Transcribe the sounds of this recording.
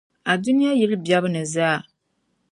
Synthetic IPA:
a˨du˦nɪ˦ja˦jɛ˦lɨ˦bi˨a˦bɨ˦nɨ˨zaː˦˨

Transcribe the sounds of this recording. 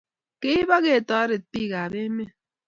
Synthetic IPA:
ke˦i˦ba˦ɣe˨tɔ˨a˦ɾe˨t̚pi˦˨ɣa˨be˦me˦

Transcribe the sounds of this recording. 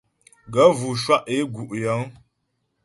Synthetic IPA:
ɡə˨˦vu˨ʃwa˦ʔe˦ɡu˨ʔjə˨˦ŋ

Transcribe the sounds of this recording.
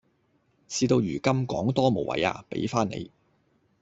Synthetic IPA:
siː˧t̪o˧wjyː˨˩kɐ˥mkɔː˨˥ŋt̪ɔː˥mo˨˩wʔɐ̰˨˥ja̰ː˧pḛ˨˥jfaː˥nḛ˨˧j

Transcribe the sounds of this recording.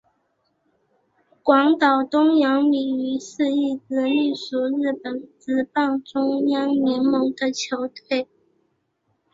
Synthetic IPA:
kwɑ˧˥ŋt̪ɑ˨˩ʊt̪ʊ˥ŋjɑ˧˥ŋli˨˩y˧˥ʂ̩˥˧i˥˩t͡sɹ̩˧˥ly˥˩ʂu˨˩ɻɻ̩˥˩pə˨˩nt͡sɹ̩˧˥pɑ˥˩ŋʈ͡ʂʊ˥ŋjɑ˥ŋmi˧˥nmɤ˧˥ŋd̪ə˨t͡ɕʰjo˧˥ʊt̪ʰwe˥˩ɪ

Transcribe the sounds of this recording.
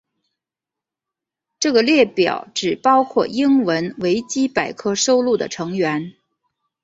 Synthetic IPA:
ʈ͡ʂɤ˥˩ɡə˩ljɛ˥˩pjɑ̰˨˩ʊʈ͡ʂɻ̩˨˩pɑ˥ʊkʰwɔ̰˥˩i˥ŋwə˧˥nwe˧˥ɪt͡ɕi˥pa˨˩ɪkʰɤ˥ʂo˥ʊlu˥˩d̪ə̰˩ʈ͡ʂʰɤ˧˥ŋɥɛ˧˥n

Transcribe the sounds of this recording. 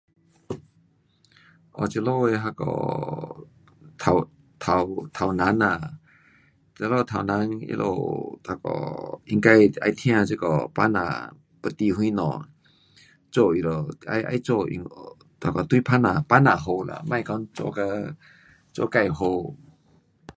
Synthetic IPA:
ʔɔ̰˨˩t͡ɕi˧lo˥˧˨we˧ɦa˧kɔ̰˧˩ | t̪ʰa˧˩w | t̪ʰa˧˩wt̪ʰa˨˩wna˧˦na˧˩ | t͡sa˧lo˥˧t̪ʰa˨wna˧˦nḭ˧lʔo̰˧t̪ʰa˧˩kɔ̰˧˩i˧˦ŋka˧ja˧jt̪ʰj̃ã˧t͡si˧˦kɔ˨˩pa˧˥na̰ː˨ | pə˧t̪i˧hu˧i˦nɔ̰˨ | t͡sɔ˧˨i˧˨lo˨˩a̰˧jʔa̰˧jt͡sɔ˧˨ḭ˧ŋ | t̪ʰa˧˩kɔ˨˩t̪u˧˦˨pʰa˦na˨pa˦˥na˨ɦo˧la̰˧˨ma˧˨jkɔ˧˦nt͡sɔ̰˧ka˧ | t͡sɔ̰˧˨ka˧jɦo˧w

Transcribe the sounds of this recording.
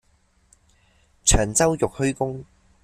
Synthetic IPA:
t͡ʃʰœː˨˩ŋt͡sɐ˥wjʊ˨k̚hɵ˥ɥkʊ˥ŋ

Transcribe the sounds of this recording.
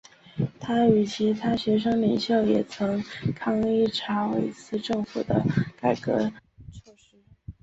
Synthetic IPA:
t̪ʰa˥y˨˩t͡ɕʰi˧˥t̪ʰa˥ɕɥɛ˧˥ʂ̬ɤ˥ŋli˨˩ŋɕjo˥˩ʊjɛ˨˩t͡sʰɤ˧˥ŋkʰɑ˥ŋi˥˩ʈ͡ʂʰɑ˧˥ʊwḛ˧˥ɪt͡sʰɹ̩˥˧ʈ͡ʂɤ˥˩ŋfṵ˨˩d̪ə˦ka˨˩ɪkɤ̰˧˥ʈ͡ʂʂ̩˥

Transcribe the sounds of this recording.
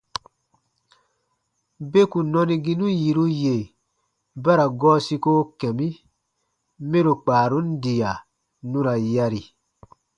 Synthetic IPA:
be˦ku˨nɔ̃˧ni˧ɡi˦nũ˦ji˨ɾu˦je˨ | ba˦ɾa˨ɡɔː˦si˧ko˦kɛ̃˨mĩ˦ | me˦ɾo˨k͡paː˨ɾũ˦n˦di˨ja˨ | nũ˦ɾa˨ja˧ɾi˨

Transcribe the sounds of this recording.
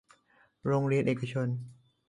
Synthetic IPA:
ɾoː˧ŋɾi˧ənʔeː˨˩ka˧t͡ɕʰo˧n

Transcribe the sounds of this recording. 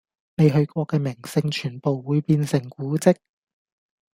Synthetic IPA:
ne˨˧jɦɵ˧ɥkʷɔː˧kːɛː˧mɪ˨˩ŋsɪ˧ŋt͡ʃʰyː˨˩npo˨wːuː˨˧jpiː˧nsɪ˨˩ŋkuː˨˥t͡sɪ˥k̚

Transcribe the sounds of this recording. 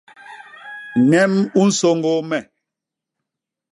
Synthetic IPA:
ŋɛ˦mu˦n̩˦so˦˨ŋɡo˦mɛ˨

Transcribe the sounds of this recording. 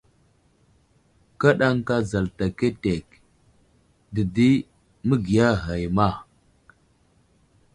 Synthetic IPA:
ka˦ɗa˦ŋka˦za˨lta˨ke˦te˨k | di˨di˦ | mə˦ɡi˨ja˦ɦa˨jma˦˨

